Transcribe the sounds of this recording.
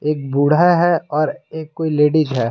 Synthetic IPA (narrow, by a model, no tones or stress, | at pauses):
eːk̚buɽ̤aɦɛɔːɾeːkːoːileːɖid͡ʒɦɛː